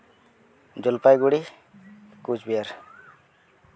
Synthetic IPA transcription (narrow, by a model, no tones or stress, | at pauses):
d͡ʒɔlpajɡuɽi | kud͡ʒbiaɾ